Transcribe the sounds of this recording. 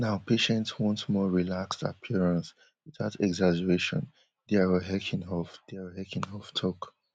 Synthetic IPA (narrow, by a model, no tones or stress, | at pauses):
naʊpʰeʃɛ̃ntswɔ̃ntmɔɹilaksta̰pʰiɹãns | wiðatɛɡzad͡ʒəɹeʃɔ̰̃n | dɛaɹəɦɛkʰĩnhɔlfd̥iɹhɛkĩnhɔftʰɔk